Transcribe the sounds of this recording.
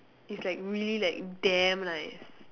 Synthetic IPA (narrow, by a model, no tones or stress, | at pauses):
itslaɪkɹililaɪk̚dɛmnaɪs